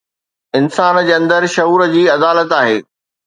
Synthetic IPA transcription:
ɪnsaːnd͡ʑeːɐ̃nd̪əɾʃɐɦuːɾəd͡ʑiːɐd̪aːlət̪aːɦḛː

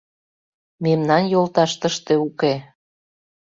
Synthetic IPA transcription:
memnɑnjolt̪ɑʃt̪əʃt̪e̽uke

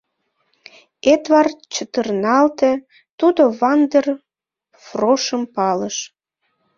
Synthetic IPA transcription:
et̪βɑrt͡ɕət̪ərnɑlt̪ĕ | t̪ud̪oβɑnd̪er | froʃəmpɑləʃ

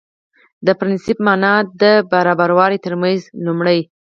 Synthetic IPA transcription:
d̪əpɾɪnsɪpmɑnɑd̪əbaɾɑbaɾwɑɾit̪əɾmanzlumɽəj

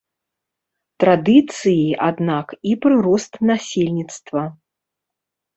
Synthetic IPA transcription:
t̪ɾad̪ɨt̪sɨjiʔad̪nakipɾɨɾɔst̪nasʲelʲnʲit̪st̪vɐ

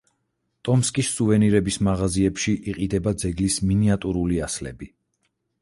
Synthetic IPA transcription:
t̪ʼɔmskʼisːuvɛniɾɛbismaʁaziɛpʃiʔiqʼid̪ɛbad̪zɛɡlisminiat̪ʼuɾuliaslɛ̰bi

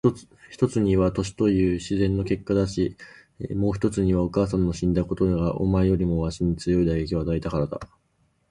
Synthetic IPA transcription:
çi̥t̪o̞t͡sɨɲ̟iβat̪o̞ɕi̥t̪o̞jɯ̟ːɕizẽ̞nːo̞ke̞kːad̪aɕi | mo̞ːçi̥t̪o̞t͡sɨɲ̟iβao̞kaːs̬ãnːo̞ɕĩnd̪ako̞t̪onaɡaʔo̞̰maejo̞ɾʲimo̞βaɕiɲ̟it͡sɨjo̞id̪aɡe̞kʲiβad̪ait̪akaɾad̪a̰

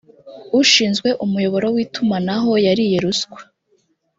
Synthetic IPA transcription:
uʃiːnzɡwe̞ʔumujo̞βo̞ɾo̞wiːtumanaɦo̞jaɾije̞ɾuskwe̥

